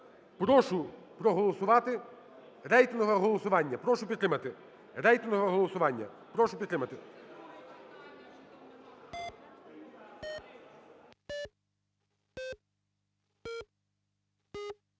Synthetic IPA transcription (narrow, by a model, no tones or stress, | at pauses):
pɾɔʃʊ | pɾɔɦɔlˠɔsʊʋɑt̪ɪ | ɾɛjt̪ɪnɦɔʋɛɦɔlˠɔsʊʋɑnʲːɐpɾɔʃʊpʲid̪t̪ɾɪmɐt̪ɪ | ɾɛjt̪ɪnɦɔʋɛɦɔlˠɔsʊʋɑnʲːɐ̰ | pɾɔʃʊpʲid̪t̪ːɾɪmɐt̪ɪ